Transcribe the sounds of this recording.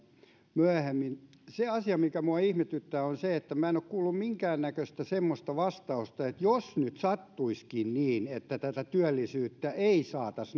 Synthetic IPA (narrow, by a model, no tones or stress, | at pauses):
myæhemːin | seɑsiɑmikæmuɑihmet̪yt̪ːæːonseet̪ːæmæenokkuːlːummiŋkæːnːækøst̪æsemːost̪ɑʋɑst̪ɑust̪ɑet̪josnyt̪sɑt̪ːuiskinniːnet̪ːæt̪æt̪æt̪yælːisyːt̪ːæʔeisɑːt̪ɑs